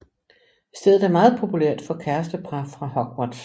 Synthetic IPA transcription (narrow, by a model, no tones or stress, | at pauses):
sd̥eðð̩ˠæɐmɑ̈ːð̞̩ˠpʰo̝pʰuleɐ̰d̥fɒ̽kʰæɐsd̥əpʰʁɑfʁɑ̈hɒ̽ɡ̥wod̥